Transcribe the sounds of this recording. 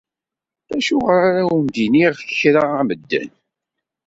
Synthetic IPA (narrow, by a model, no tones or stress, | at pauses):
æʃʊʁəɾaɾawənd̪iniʁfçɾaæməd̪ːæ̰n